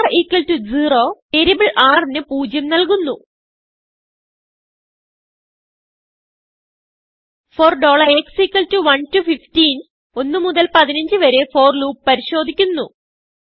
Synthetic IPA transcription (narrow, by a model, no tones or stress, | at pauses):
riːkːɐltud͡ʑiro̞ːe̞ɾibɭʔaːrinɨpuːd͡ʑjɐmnɐlkunːu | foːrɖo̞ːɭɐreksiːkːɐltuʋɐntufiftiːn | o̞nːɨmuðɐlpɐðinɐɲd͡ʑɨʋɐɾefo̞ːrluːppːɐɾiɕo̞ːd̪ʱikʲːunːu